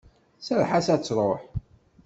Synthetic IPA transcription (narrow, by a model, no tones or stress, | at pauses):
səɾħasæt͡sːɾˤoħ